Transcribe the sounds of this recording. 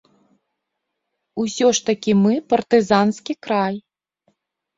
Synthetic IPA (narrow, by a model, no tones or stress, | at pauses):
usʲɔʂt̪ɐkʲimɨpɐrt̪ɨzanskʲikɾaj